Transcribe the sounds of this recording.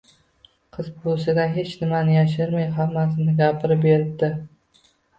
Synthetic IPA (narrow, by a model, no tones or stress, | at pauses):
qʰɨzbosɪd̪aɦe̞t͡ʃnɪmanɪjaʃ̬ɪɾmajɦamːas̬ɪnɪɡʲapʰɪɾɪpbeɾɪb̚d̪ɪ